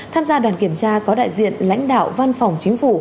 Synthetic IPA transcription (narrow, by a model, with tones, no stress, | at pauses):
t̪ʰaː˧mzaː˧ɗwaː˨˩nki˧˩əmt͡ɕaː˧kɔ˨˦ɗa̰ː˧˨jzḭ˧˨ənla̰˧˥jŋ̟ɗa̰ː˧˨wva˧nfa˨˩wŋ͡mt͡ɕï˨˦ŋ̟fu˧˩